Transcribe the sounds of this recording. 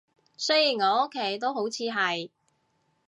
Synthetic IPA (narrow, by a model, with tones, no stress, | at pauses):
sɵ˥jiː˨˩ŋɔː˨˧o˥kʰːe˨˩jt̪o˥who˨˥wt͡sʰiː˨˧ɦɐ˨j